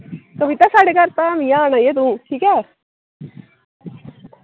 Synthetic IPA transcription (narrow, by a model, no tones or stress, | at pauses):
kəʋit̪asaːɽekəɾt̪amijãnajet̪̬ũːʈʰiːkɛː